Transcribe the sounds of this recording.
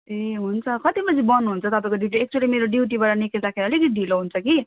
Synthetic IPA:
eɦunt͡sʰʌkʌt̪ibʌd͡zibʌnuɦunt͡sʰʌt̪ʌpãĩkoɖiʈ̬iek̚t͡suelimeɾoɖiwʈ̬ibaɾanikesakʰeɾʌlekiɖiloɦunt͡sʰʌki

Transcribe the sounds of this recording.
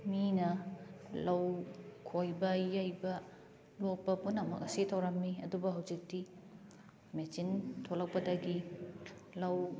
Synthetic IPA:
minɐlɐwkʰojbɐjajbɐ | lok̚pɐpunːɐmɐ̰k̚ɐsitʰɐwɾɐmːiɐ̰dubɐɦawzik̚ti | mesintʰolɐkpɐdɐɡi | lɐw

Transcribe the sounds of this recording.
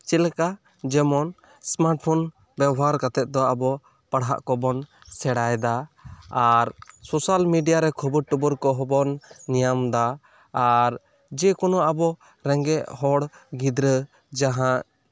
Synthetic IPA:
t͡ʃɛlɛka | d͡ʒɛmɔn | smaɾʈ̚pʰɔn | bɛbɔɦaɾkat̪ɛt̪̚d̪ɔabɔ | paɽɦa̰ʔkɔbɔn | sɛɽajd̪aː | ɾsɔsalmiɖijaɾɛkʰɔbəɾʈubɔɾkɔɦɔbɔnːijamd̪aː | ɾ | d͡ʒɛkɔnɔabɔ | ɾɛŋɡɛʔhɔɽɡid̪ɾə | d͡ʒaɦãʔ

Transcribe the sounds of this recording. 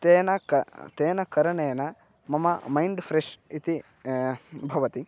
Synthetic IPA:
t̪eːnɐkɐt̪eːnɐkɐɾɐɳɐjɐnɐ | mɐmɐmɐjɳɖfʰɾeʂit̪i | bʱɐʋɐt̪i

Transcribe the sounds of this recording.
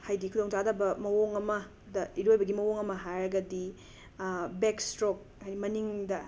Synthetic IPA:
hajdikʰudoŋtadɐbɐmɐwoŋɐmɐ | dɐiɾojbɐɡimɐwoŋɐmɐɦajɾɐɡɐdi | bekstɾok̚ʰajnimɐniŋdɐ

